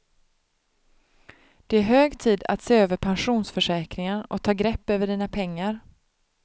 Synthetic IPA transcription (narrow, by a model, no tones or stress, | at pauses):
d̪̥ɛæɾɦøːɡt̪ʰiːd̪a̰t̪seːøːvəɾpʰanɧuːnsfœʂɛːkɾɪŋənɔ̰kt̪ʰɑːɡɾɛpːøːvəɖiːnapʰɛŋːaɾ